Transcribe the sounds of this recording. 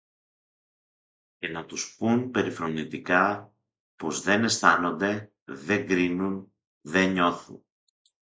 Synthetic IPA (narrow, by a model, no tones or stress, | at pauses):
ce̞nɐt̪uspunpe̞ɾifɾo̞nit̪ikɐ | po̞zðe̞ne̞sθɐno̞nd̪e̞ | ðe̞ŋɡɾinun | ðe̞ɲo̞θṵn